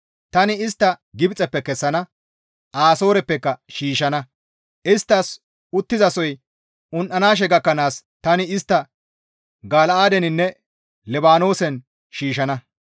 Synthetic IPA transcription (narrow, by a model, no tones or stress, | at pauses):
t̪ɐnɪɪst̪ːɐɡɪbt͡sʼɛpːɛkɛsːɐnɐ | ʔaːso̞ːɾɛpːɛkːɐʃiːʃɐnɐ | ʔɪst̪ːɐs | ʊt̪ːɪzɐsɔj | ʔʊnʔɐnaːʃ̬ɛɡɐkːɐnaːst̪ɐnɪɪst̪ːɐ | ɡaːlɐaːd̪ɛnɪnːɛ | lɛbaːno̞ːsɛn | ʃiːʃɐnɐ